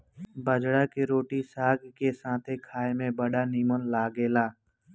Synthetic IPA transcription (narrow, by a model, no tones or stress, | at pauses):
bəd͡ʒɽakeɾoːʈisaːɡkesãːt̪ʰekʰaːemẽbəɽaniːmənlaːɡeːlaː